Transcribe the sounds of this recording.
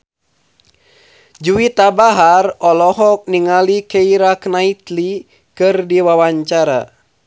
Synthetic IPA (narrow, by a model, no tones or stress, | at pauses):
d͡ʒuwit̪abaɦarɔlɔɦɔk̚niŋalikɛiɾaknait̪li | kɨrdiwawaɲt͡ʃaɾa̰